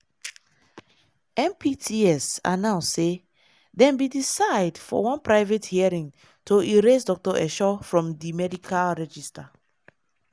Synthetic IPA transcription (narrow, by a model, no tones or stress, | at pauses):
ɛ̃mpitʰiɛsa̰nãnse | dɛ̃mbidisaɪdfɔ̰wɔ̃npɹaɪvethiaɹĩŋ | tʰoiɹesdɔk̚tɔʔɛ̰ʃɔfɹɔ̃mdimɛdikʰalɹɛd͡ʒista